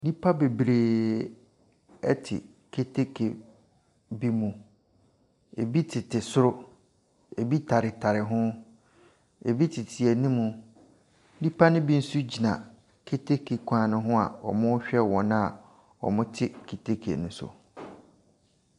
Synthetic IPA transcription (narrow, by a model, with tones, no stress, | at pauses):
di˦pʰa˦be˨bɾeː˨ | ɛ˦tʰɪ̰˨ | kʰe˦tʰe˦kʰe˨ | bi˦mũ˨ | e˨bi˦tʰɪ˨tʰɪ˨sʊ˦ɾʊ˦ | e˨bi˦tʰa˨ɾɪ˨tʰa˨ɾɪ˨ɦʊ̃˦ | e˨bi˦tʰɪ˨tʰɪ˨ɛ˨nĩ˦mũ˨ | di˦pʰa˦nʊ̃˦bi˦n̩˦su˦d͡ʑi˨nã˨ | kʰe˦tʰe˦kʰe˨kʷʰãː˨nʊ̃˦ɦʊ̃˦a̰˨ɔ̰˨mʊ̃˦ɕᶣɛ˦wɔ̃˨nã˦a˨ | ɔ̰˨mʊ̃˦tʰɪ˦kʰe˨tʰe˦kʰḛ˨nʊ̃˦sʊ̰˨